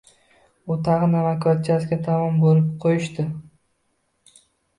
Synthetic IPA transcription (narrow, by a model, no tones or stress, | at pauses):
ʊt̪ʰɑʁɨnamakat̪̚t͡ʃʰasɡʲat̪ʰamɒmbolɪp̚qʰojɪʃt̪ɪ